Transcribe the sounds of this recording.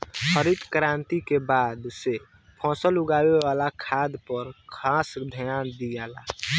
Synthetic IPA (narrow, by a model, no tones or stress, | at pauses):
xʰəɾit̪kɾaːnt̪ikebaːd̪se | pʰɔ̃ːsəlʊɡaːwewaːlakʰaːd̪pəɾkʰaːsd̪ʱəjaːnd̪iaːlaː